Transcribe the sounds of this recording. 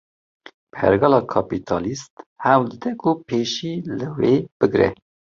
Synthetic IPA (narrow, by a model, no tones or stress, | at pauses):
pʰɛ̰ɾɡɑlɑːkʰɑpit̪ʰɑːlist̪hɛwld̪ɨd̪ɛkʰʊpʰeːʃiːlɨweːb̥ɨɡɾɛ̰